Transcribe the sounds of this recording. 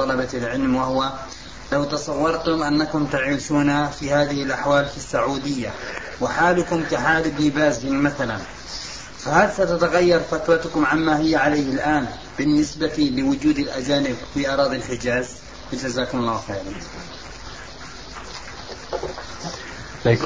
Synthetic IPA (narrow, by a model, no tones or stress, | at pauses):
t̪ːˤɑlɑbalʕɪlmwahʊwa | lawt̪ɑsˤɑwːɑɾˤt̪ʊmʔanːakʊmt̪aʕiːʃuːnafihaːðɪhɪlʔaħwaːlfisːaʕuːd̪ɪjːa | wɪħaːlʊkʊmk̪aħaːlɪbnɪbaːzɪnmaθalan | fahalsat̪at̪aɣajːɑɾˤfat̪ɾɑt̪ʊkʊmʕamːahɪjːaʕalajhɪlʔaːn | bɪnːɪsbat̪ilɪwʊd͡ʒuːd̪alʔad͡ʒaːnɪbfiʔɑɾˤɑːðˤɪlħɪd͡ʒaːz | wɪd͡ʒazaːkʊmɑlˤːɑːwxeːʕla